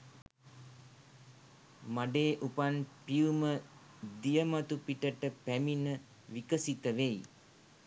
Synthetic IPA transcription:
maɖeːʔupanpiumə | d̪ijəmat̪upiʈəʈəpæminə | ʋikəsit̪əʋej

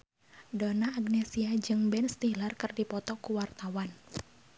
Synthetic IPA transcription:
dɔnaːɡnɛsiad͡ʒɨŋbɛnst̪ilarkɨrdipɔt̪ɔkuwart̪awan

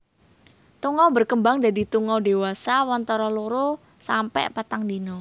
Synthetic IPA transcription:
t̪uŋɔbərkəmbaŋdadit̪uŋɔde̤wasawɔnt̪ɔɾɔloɾo | sampɛ̰ʔpat̪aŋdinɔ

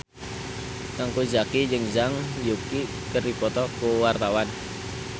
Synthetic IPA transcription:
t̪aŋkud͡ʒakid͡ʒəŋd͡ʒaŋjuki | kəɾipɔt̪ɔkuwart̪awan

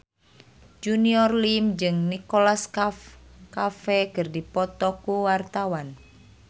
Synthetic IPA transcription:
d͡ʒuniɔrlimd͡ʒɨŋnikɔlaskafkafɛkɨrdipɔt̪ɔkuwart̪awan

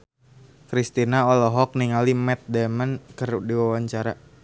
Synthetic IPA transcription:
kɾist̪inaɔlɔɦɔk̚niŋalimɛt̪̚dɛmənkərdiwawaɲt͡ʃaɾa

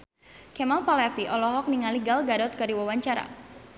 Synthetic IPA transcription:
kɛmalpalɛfiʔɔlɔɦɔk̚niŋaliɡalɡadɔt̪̚kaɾiwawaɲt͡ʃaɾa̰

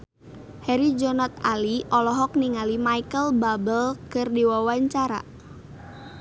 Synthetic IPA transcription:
hɛɾid͡ʒɔnɔt̪̚aliʔɔlɔɦɔk̚niŋalimaikəlbabəlkərdiwawaɲt͡ʃaɾa̰

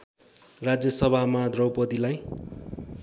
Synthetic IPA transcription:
rad͡zjʌsʌbʱamad̪rʌwpʌt̪ilaj

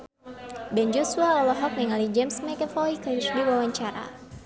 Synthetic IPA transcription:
bɛnd͡ʒɔsuaɔlɔɦɔk̚niŋalid͡ʒɛmsmɛkɛfɔikirdiwawaɲt͡ʃaɾa̰

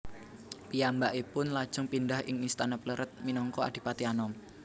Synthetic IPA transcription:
pijambaʔipʊnlad̥ʒ̥ʊŋpindahɪ̰ŋist̪anapləɾʔət̪̚minɔŋkɔa̰ɖ̪̥i̤pat̪ianɔm

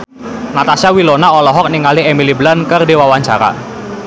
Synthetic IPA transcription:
nat̪asjawilonaɔlɔɦɔk̚niŋaliemiliblankərdewawaɲt͡ʃa̰ɾa̰

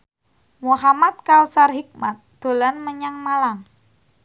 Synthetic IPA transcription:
muɦamat̪̚kawsarɦik̚mat̪̚d̪̥o̤lanməɲaŋmalaŋ

